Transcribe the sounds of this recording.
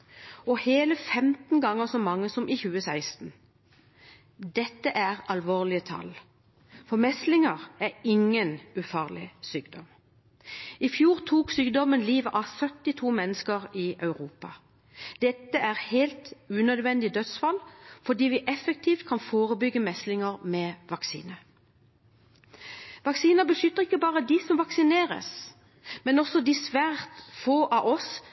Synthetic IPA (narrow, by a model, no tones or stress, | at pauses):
ɔheːləfɛmt̪n̩ɡɑŋəsɔmɑŋːəsɔmʔɪçʉːəsæɪst̪n̩ | d̪ɛt̪ːəʔæʁɑlʋoːʁlɪət̪ʰɑ̰l | fɔɾmɛst̪lɪŋəʁæɾɪŋːənʉfɑːʁlɪ̰syːɡd̪ɔm | ɪfjuːʁt̪ʰuːksyːɡd̪ɔmənliːʋəʔɑsœt̪ːɪt̪ʰuːmɛnːəskəʁɪʔœʉʁuːpɑ | d̪̥ɛt̪ːəʔæʁheɪlt̪ʉːnœd̪ʋɛnd̪ɪd̪œt̪sfɑlfɔd̪iːʋɪʔɛfək̚t̪ʰiːft̪kʰɑnfoːʁəbʏɡːəmɛslɪŋəʁmɛʋɑksḭːnə | ʋɑksiːnəbəʃʏt̪ːəʁɪkːəbɑːʁəd̪ɪsɔmʋɑksɪneːʁə̰s | mɛnɔsɔd̪ɪsʋæːʁt̪foːʔɑʔɔs